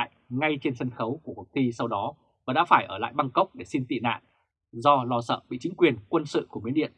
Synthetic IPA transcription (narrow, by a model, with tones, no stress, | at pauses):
jŋa˧jt͡ɕe˧nsə˧nxə˨˦wku˧˩əkə˨˩t̪ʰi˧sa˧wɗɔ˨˦ | vaː˨˩ɗa̰ː˧˥faː˧˩jʔəː˧˩la̰ː˧˨jɓa˧ŋkə˦˥wk͡p̚ɗe˧˩si˧nt̪ḭ˧˨na̰ː˧˨n | zɔ˧lɔ˧sə̰ː˧˨ɓḭ˧˨t͡ɕï˨˦ŋ̟kwi˨˩ənkwə˧nsɨ̰˧˨ku˧˩əmi˨˦nɗḭ˧˨ən